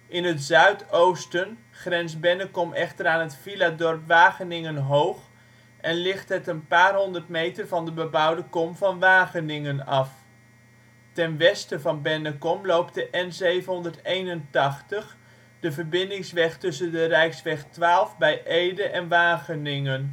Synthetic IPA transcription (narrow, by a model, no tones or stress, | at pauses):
ʔɪnɦətzœɥtowstən | χrɛnsbɛnəkɔmʔɛχtəɾaːnɦətfiladɔrpʋaːχənɪŋənɦowχ | ʔɛnlɪχtɦətənpaːrɦɔndərtmejtərvɑndəbəbʌwdəkɔmvɑnʋaːχənɪŋənɑf | tɛnʋɛstəvɑnbɛnəkɔmlowpdəʔɛnzejvənɦɔndərtejnəntɑχtəχ | d̥əvərbɪndɪŋsʋɛχtɵsəndərɛjksʋɛχtʋaːlˠvbɛjʔejdəʔɛnʋaːχənɪŋən